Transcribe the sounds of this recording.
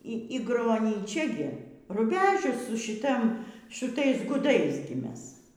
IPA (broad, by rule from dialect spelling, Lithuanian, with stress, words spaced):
ˈiː ˈiː ɡroːnʲiːˈt͡ʃʲɛ ɡʲɪ rʊˈbʲæːʒʲʊs sʊ ʃʲɪˈtɐ ʃʊˈtɐɪs ɡʊˈdɐɪs ɡʲɪ ˈmʲɛs